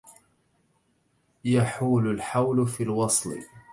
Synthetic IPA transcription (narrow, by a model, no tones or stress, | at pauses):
jaħuːlʊlħawlfiːlwɑsˤlɨ̰